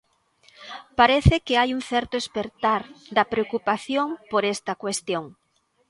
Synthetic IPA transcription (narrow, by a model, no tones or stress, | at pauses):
paɾɛθɪkeajuŋθɛɾt̪oespeɾt̪aɾd̪ɐpɾeokupaθjoŋpoɾɛst̪ɐkwest̪joŋ